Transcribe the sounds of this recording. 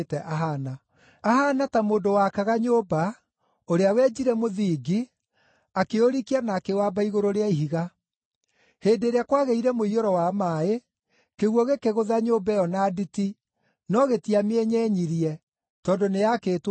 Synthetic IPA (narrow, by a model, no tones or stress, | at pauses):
tɛʔaɦana | aɦanatamoːndowakaɣaɲoba | oɾeawɛd͡ʒiɾɛmoðiɡi | akeoɾikianakewabaiɣoɾoɾeaiɦiɣa | heːndeːɾeakwaɣeiɾɛmoioɾɔwamae | keɣuɔɣekeɣoðaɲoːbɛɔnaditi | nɔɣetiameɛɲɛɲiɾiɛ | tɔːndonejakeːt